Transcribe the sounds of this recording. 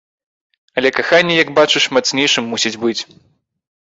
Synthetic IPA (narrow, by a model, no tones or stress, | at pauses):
ɐlʲɛkaxanʲːɛjɐɡbat͡ʂɨʂmat̪snʲejʂɨmːusʲid͡zʲbɨt͡sʲ